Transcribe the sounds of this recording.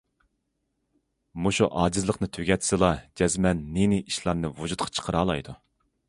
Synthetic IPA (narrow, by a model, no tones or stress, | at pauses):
muʃuʔɑːd͡ʒɨzlˠəqnɨt̪ʰøɡʲɛt̪ʰsɨlˠɑd͡ʒɛzmɛnːenɪʔiʃlˠɑɾnɨvud͡ʒut̪̚qʰɑ̥t͡ʃʰə̥qʰəɾɑːlˠɑ̰jd̪u